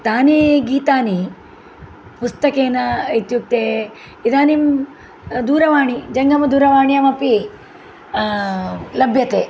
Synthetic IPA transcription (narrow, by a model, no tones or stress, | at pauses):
t̪aːniɡiːt̪aːni | pust̪ɐkeːnɐit̪juk̚t̪eː | id̪aːnim | d̪uːɾɐʋaːɳid͡ʒɐŋɡɐmɐd̪uːɾɐʋaːɳijɐmɐpi | lɐbʱjɐt̪eː